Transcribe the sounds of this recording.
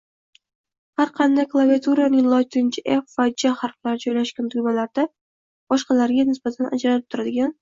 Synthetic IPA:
haɾqʰɑnd̪ajklˠaviat̪ʰuɾanɪŋlˠɒjt̪ʰɪnt͡ʃʰɪʔefvad͡ʒaχaɾqlaɾɪd͡ʒɒjlaʃkʲant̪ʰʊjmalaɾd̪a | b̥ɒʃqɑlaɾɡʲanɪsb̥at̪ʰanʔa̰d͡ʒɾalɪp̚t̪ʰʊɾad̪ɪɡʲan

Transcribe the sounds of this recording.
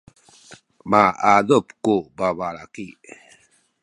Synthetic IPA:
maad̪opkobaβalaki

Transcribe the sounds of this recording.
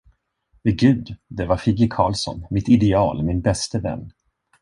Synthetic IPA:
vɛɡʉ̟ːd̪d̪ɛvaɾfiːɡəkʰɑːlsɔ̰nmɪt̪ɪd̪ɛɑːlmɪnbɛst̪əvɛ̰nː

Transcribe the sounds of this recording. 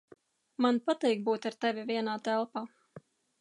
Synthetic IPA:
manpat̪iːkbuːt̪aɾt̪ɛvʲivʲiɛnaːt̪ælˠpaː

